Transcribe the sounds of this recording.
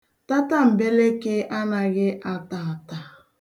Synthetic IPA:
ta˦ta˦m̩˨be˦le˦ke˦ʔa˦na˨ɣɪ˦ʔa˦ta˨ta˨

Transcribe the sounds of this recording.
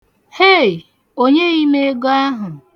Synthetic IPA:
he˦˨j | o˦ɲe˦i˦me˦ɡo˦a˦ɦʊ˨

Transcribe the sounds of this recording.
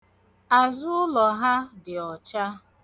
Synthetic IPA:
a˨zʊ˦ʊ˦lɔ˨ɦa˦dɪ˨ɔ˨t͡ʃa˦

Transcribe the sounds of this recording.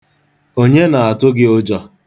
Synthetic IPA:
o˦ɲe˦na˨a˨tʊ˦ɡɪ˦o˦d͡ʒɔ˦

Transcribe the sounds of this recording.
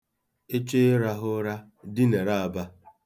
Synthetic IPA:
e˦t͡ʃe˦ɾa˦ɦʊ˦ɾa˦ | dɪ˦ne˨ɾa˦˨a˨ba˦

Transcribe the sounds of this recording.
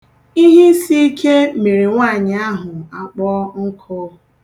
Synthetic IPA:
i˦ɦi˦si˦i˦kʰe˦me˨ɾi˨ŋʷa˦˨ɲɪ˨a˦ɦʊ˨a˨k͡pɔ˦ŋ̩˦kʰɔ˦

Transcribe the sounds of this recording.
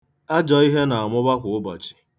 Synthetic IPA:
a˦d͡ʒɔ˨i˦ɦe˦na˨a˨mʊ˦ba˦kʷʊ˨ʊ˦ba˨t͡ʃi̥˨

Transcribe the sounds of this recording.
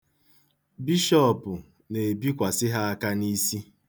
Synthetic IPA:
bi˦ʃɔ˦pʊ˨ | ne˨bi˦kʷa˨sɪ˦ɦa˦a˦ka˦ni˦si˦

